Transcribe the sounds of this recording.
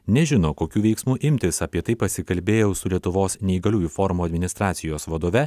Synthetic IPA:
nʲɛʒʲɪnoːkoːkʲuːʋʲɛɪksmuːʔɪmʲt̪ʲɪsɐpʲiɛt̪ɐɪpɐsʲɪkɐlʲbʲeːjɛʊsʊlʲiɛt̪ʊʋoːsnʲɛiɡɐlʲuːjuːfoːɾmuːɐd̪ʲmʲɪnʲɪst̪ɾɑːt̪sʲɪjoːsʋɐd̪oːʋʲɛ

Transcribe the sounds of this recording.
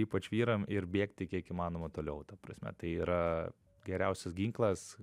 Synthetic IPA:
iːpɐt͡ʃʋʲiːɾɐmɪɾbʲeːkt̪ʲɪkʲiɛkiːmɑːnoːmɐt̪oːlʲɛʊt̪ɐpɾɐsʲmʲɛ̰t̪ɐɪiːɾɐ | ɡʲɛɾʲɛʊsʲɛsɡʲiːŋklˠɐs

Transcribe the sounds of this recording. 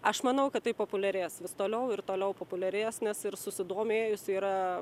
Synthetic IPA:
ɐʃmɐnɐʊkɐt̪t̪ɐɪpoːpʊlʲɛɾʲeːsʋʲɪst̪oːlʲɛʊɪɾt̪oːlʲɛʊpoːpʊlʲɛɾʲeːsnʲɛsɪɾsʊsʲɪd̪oːmʲeːjʊsiːɾɐ

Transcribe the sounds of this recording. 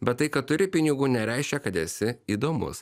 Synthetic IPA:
bʲɛt̪t̪ːɐɪkɐtt̪ʊɾʲɪpʲɪnʲɪɡuːnʲɛɾʲæɪʃʲkʲɛkɐt̪ɛsʲɪiːd̪oːmʊ̰s

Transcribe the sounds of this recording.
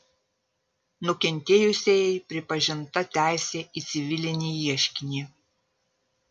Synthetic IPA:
nʊkʲɛnʲt̪ʲeːjʊsʲeːjɛpʲɾʲɪpɐʒʲɪnt̪ɐt̪ʲæˑɪsʲeːʔiːt̪sʲɪʋʲɪlʲɪnʲiːiɛʃʲkʲɪnʲiː

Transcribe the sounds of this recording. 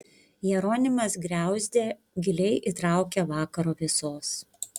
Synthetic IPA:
jɛɾoːnʲɪmɐsɡɾʲæˑʊzʲd̪ʲeː | ɡʲɪlʲɛɪʔit̪ɾɑˑʊkʲɛʋɑːkɐɾoːʋʲɪsoːs

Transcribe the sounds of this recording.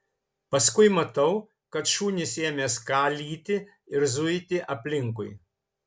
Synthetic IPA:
pɐskʊɪmɐt̪ɐʊ | kɐt̪ʃuːnʲɪsʲeːmʲeːskɑːlʲiːt̪ʲɪ | ɪɾzʊɪt̪ʲɪʔɐpʲlʲɪŋkʊɪ

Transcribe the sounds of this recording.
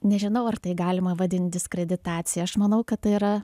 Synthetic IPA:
nʲɛʒʲɪnɐʊɐrt̪ɐɪɡɑːlʲɪmɐʋɐd̪ʲɪnʲt̪̚ʲd̪ʲɪskɾʲɛd̪ʲɪt̪ɑːt̪t͡ssʲɪjɛɐʃmɐnɐʊkɐt̪t̪ɐɪiɾɐ

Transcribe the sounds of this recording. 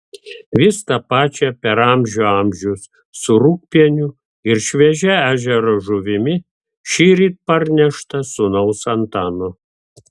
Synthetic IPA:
ʋʲɪst̪ɐpɑːt͡ʃʲɛpʲɛɾɑmʲʒʲoɑmʲʒʲʊsː | ʊɾuk̚pʲiɛnʲʊ | ɪɾʃʲʋʲɛʒʲɛæːʒʲɛɾoʒʊʋʲɪmʲɪ | ʃʲiːɾʲiːt̪̚pɐɾʲnʲɛʃt̪ɐsʊnɐʊsɐnt̪ɑːno

